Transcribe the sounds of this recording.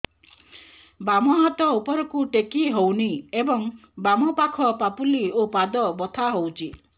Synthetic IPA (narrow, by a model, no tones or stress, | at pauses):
bamɔɦɔt̪ɔupɔɾɔkuʈekiɦowniebɔŋbamɔpakʰɔpapuliopad̪ɔbɔt̪ʰaɦowt͡ʃʰi